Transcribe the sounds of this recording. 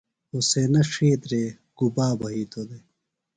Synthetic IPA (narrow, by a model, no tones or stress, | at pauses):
osenɐʂeːt̪ɾe | ɡ̥ubaːbɐɦiːt̪od̪e